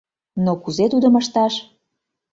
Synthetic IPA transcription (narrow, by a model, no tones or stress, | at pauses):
nokuzet̪ud̪ə̆məʃt̪ɑʃ